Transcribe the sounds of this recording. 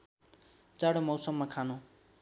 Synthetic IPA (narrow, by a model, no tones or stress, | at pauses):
t͡saɽomʌwsʌmːakʰanõ